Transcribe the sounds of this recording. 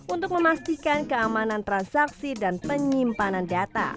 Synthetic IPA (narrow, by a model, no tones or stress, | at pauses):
ʔunt̪ʊk̚məmast̪ikankəamanant̪ɾansaksidanpəɲimpanandat̪a̰